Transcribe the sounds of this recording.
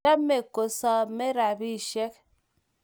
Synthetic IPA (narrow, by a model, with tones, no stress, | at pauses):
a˦me˨ko˨sɔ˦me˦ɾa˨bi˦˨ʃe˦k̚